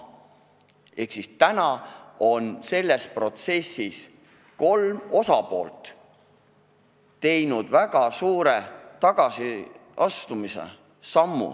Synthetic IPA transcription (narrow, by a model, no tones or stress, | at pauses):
e̞hksist̪ænɑo̞nse̞lːe̞spro̞t̪se̞sːis | ko̞lmo̞sɑpo̞ːlt̪ˑ | t̪e̞jnud̪̥væɡ̥ɑsuːɾe̞t̪ɑɡ̥ɑsiɑst̪umisḛ | sɑmːṵ